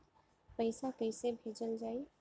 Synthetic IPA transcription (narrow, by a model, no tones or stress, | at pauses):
pəɪsakəɪsebʱed͡ʒəld͡ʒaːj